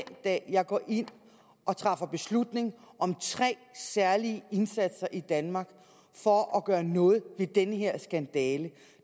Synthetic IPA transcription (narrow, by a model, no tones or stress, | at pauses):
nd̥ɛ̰ːjɑ̈ɪɡ̥ɒ̰ːʔe̝n̰ | ʔɒ̽t͡sʰʁɑ̈fɐb̥e̝slud̥ne̝ŋʔɒ̽mt͡sʰʁɛ̰ːsæɐliəe̝nsæd̥sɐʔid̥ænmɑ̈ɡ̥ | fɒ̽ɒɡ̥ɶːɐnɔ̽ːð̞̩ˠʋe̝d̥enəɦeɐ̰sɡ̥ænd̥ɛːlə